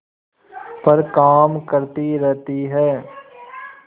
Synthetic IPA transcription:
pɐɾkaːmkəɾt̪iɾɛɦt̪iɦɛː

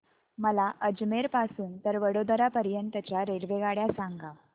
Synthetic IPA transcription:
məlaʔəd͡ʑmeɾpasuːnt̪əɾʋəɽod̪əɾapəɾjənt̪ət͡ɕjaɾelʋeɡaɽjasãŋɡa

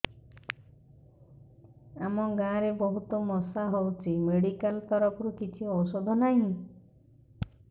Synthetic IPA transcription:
amɔɡãɾebɔɦut̪omɔsaɦowt͡ʃʰimeɽikalt̪ɔɾɔkɔɾukit͡ʃʰiɔsod̪ʱɔnaɦĩ

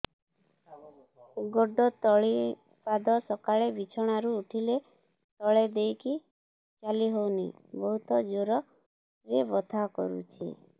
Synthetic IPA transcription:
ɡɔɖɔt̪ɔɭi | pad̪ʱɔsɔkaɭebit͡ʃʰɔɽ̃aɾuːʈʰile | t̪ɔɭed̪ejki | t͡ʃaliɦowni | bɔɦut̪ɔd͡ʒoɾɔ | ɾebɔt̪ʰakɔ̰ɾṵt͡ʃʰḭ

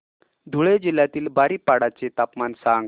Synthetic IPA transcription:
d̪ʱuɭed͡ʑilːjat̪iːlbaɾiːpaɽat͡set̪apmansaŋɡ

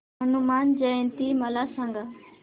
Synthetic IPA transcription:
ɦənumaːnd͡ʒəə̃nt̪iːməlaːsãːŋɡaː

